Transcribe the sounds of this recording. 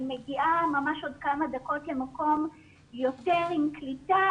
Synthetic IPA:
meɡiʔamamaʃodkamadako̞tle̞mako̞m | jo̞teʁimklita

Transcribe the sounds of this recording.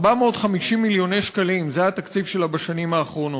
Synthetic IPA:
bameotχamiʃimːiljo̞nejʃkalimzehat̪akt͡sifʃelabaʃanimaːχʁo̞no

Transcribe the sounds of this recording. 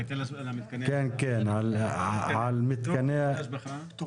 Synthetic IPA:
kɛːnkɛːnʕa | ʕalmɪt̪kænæː

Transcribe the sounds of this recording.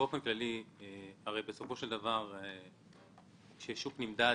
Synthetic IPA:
o̞fenklali | aʁejbeso̞fo̞ʃeld̪avaʁe | ʃeʃuknimd̪a

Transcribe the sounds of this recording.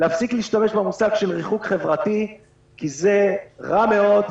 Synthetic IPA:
leːfsikliːʃtame̞ʃbemusaɡʃe̞lʁiχukχe̞vʁat̪i | kize̞ʁame̞o̞d̪

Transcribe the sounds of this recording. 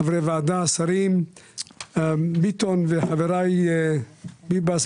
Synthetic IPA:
avɾevaːd̪asaɾim | bit̪onveħaveɾaj | bibas

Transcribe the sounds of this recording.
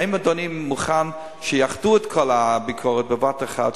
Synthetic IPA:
imadonimːuχan | ʃəjaχduɛtkʰɔlabikʰɔʁət̚bevateχa̰d

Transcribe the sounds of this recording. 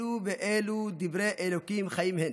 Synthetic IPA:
uveʔeːlud̪ivɾeːʔelokimχajimhen

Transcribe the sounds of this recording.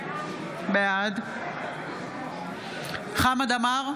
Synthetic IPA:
bead̪ | χamad̪amaʁ

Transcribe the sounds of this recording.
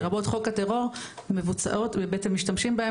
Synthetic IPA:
ʁabo̞tχo̞kateʁo̞ʁme̞vut͡sa̰ʔo̞tebetemːiʃtamʃimbahe

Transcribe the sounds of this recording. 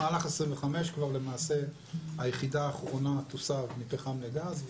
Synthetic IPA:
aːlaχesʁiɱveχame̞ʃkvaʁle̞maːse̞ | ajeχidaːχʁo̞nat̪osavnipeχamleɡaz

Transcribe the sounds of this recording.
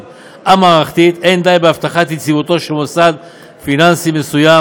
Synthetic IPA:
amaaxt̪it̪end̪ajbaft̪axat̪it͡sibut̪ɔʃemosad̪ | finansimesuja

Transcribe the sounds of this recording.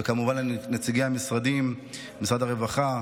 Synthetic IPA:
ekamuvanlenet͡siɡeamisʁad̪im | misʁadaʁevaχa

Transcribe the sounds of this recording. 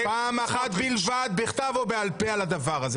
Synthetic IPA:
paːmaχat̪bilvad̪̚beχt̪avobealpealad̪avaʁaze

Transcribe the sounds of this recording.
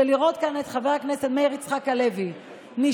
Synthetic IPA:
eliʁo̞t̪kanet̪χaveakneset̪mejʁit͡sχakalevi | ni

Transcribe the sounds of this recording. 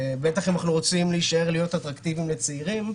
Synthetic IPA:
be̞t̪aχenaχnuʁo̞t͡simliiʃae̞ʁlijo̞t̪at̪ʁakt̪ivimlet͡seiʁim

